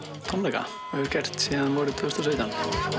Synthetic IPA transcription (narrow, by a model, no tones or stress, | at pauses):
t̪ʰɔnlɛjka̰ | ɛvʏɾcɛr̥t̪siːðamɔːɾɪt̪ʰœst̪aseːt̪an